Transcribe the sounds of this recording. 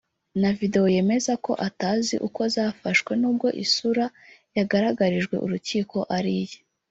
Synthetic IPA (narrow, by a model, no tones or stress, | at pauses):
navide̞wo̞je̞me̞zako̞̰ʔataːzḭʔuko̞zaːfaʃwe̞nuːb̚ɡo̞ʔḭsuɾajaɡaɾaɡaɾiʒɡwe̞̰ʔṵɾuciːko̞ʔaɾije